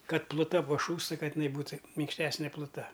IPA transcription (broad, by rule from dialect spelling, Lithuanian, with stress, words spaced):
ˈkɐt plˠʊˈtɐ pɐˈʃuːstɐ ˈkɐt ɪˈnɐɪ ˈbuːtɐ mʲɪŋkʃʲˈtʲæːsʲnʲeː plˠʊˈtɐ